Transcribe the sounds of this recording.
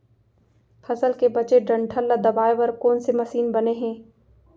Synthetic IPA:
fʰɐzəlkebɐt͡ʃeɖɐ̃ɳʈʰəlːad̪ɐbaːeʋɐɾkɔːnsemɐsiːnbɐneɦɛ̃ː

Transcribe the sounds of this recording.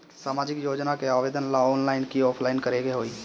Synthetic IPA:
saːmaːd͡ʒɪkjoːd͡ʒnakeaːʋeːd̪ənlaɔːnlaːɪnkiɔːpʰlaɪnkəɾeɡeɦoːi

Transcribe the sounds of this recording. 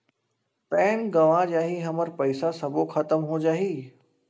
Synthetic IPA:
pɛːnɡɐʋãd͡ʑaːɦiɦɐməɾpɐɪsasɐbʱoxɐt̪əmɦõːd͡ʑaːɦiː

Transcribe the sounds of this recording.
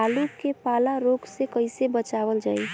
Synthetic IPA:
alukepaːlaɾoɡsekəɪsebət͡ʃaːʋəld͡ʒaːi

